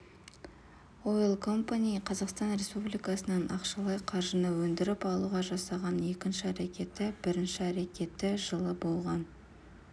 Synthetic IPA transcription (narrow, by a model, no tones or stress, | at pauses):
o̞jlˠkʰo̞mpanʲijqʰɑzɑqst̪ɑnɾe̞spublijkɑsənɑnʔɑqʃɑlˠɑjqʰɑɾʒənɑwɵnd̪ɪɾɪpɑlˠuʁɑʒɑsɑʁɑne̞kʲɪnʃɪæɾekʲe̞t̪ːɪbɪɾɪnʃɪæɾe̞kʲe̞t̪ːɪʒəlˠəbo̞lˠʁɑn